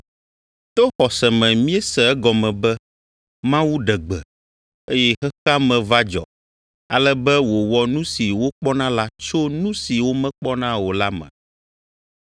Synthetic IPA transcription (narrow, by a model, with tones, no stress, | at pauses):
t̪o˦xɔ˨sɛ˨mɛ̃˨mĩ˦ɛ˦sɛ˨ɛ˦ɡɔ˨mɛ̃˨bɛ˦ | mã˦wu˦ɖɛ˨ɡ͡bɛ̰˨ | e˦jɛ˦xɛ˦xa˦mɛ̃˨va˦d͡ʒɔ̰˨ | a̰˨lɛ˦bɛ˦wo˨wɔ˦nũ˦si˨wo˦k͡pɔ˦nã˦la˦t͡ʃo˦nũ˦si˨wo˦mɛ̃˦k͡pɔ˦nã˦wo˨la˦mɛ̰̃˨